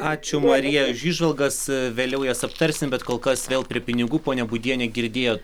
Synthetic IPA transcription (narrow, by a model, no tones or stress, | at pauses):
ɑːt͡ʃʲʊmɐɾʲijɛʊʃiːʒʋɐlˠɡɐsʋʲeːlʲɛʊjɛːsɐpt̪ɐɾʲsʲɪnbʲɛt̪koːlˠkɐsʋʲeːlˠpʲɾʲiɛpʲɪnʲɪɡuːpoːnʲɛbʊd̪ʲiɛnʲɛɡʲɪɾʲd̪ʲeːjoː